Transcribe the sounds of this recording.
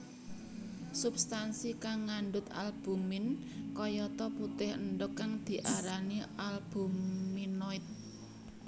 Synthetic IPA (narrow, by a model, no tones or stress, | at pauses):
subst̪ansikaŋːaɳɖʊt̪a̰lb̥ṳmɪn | kɔjɔt̪ɔput̪ɪhənɖʊkːaŋd̪̥i̤ʔaɾanialb̥ṳmːinɔɪt̪̚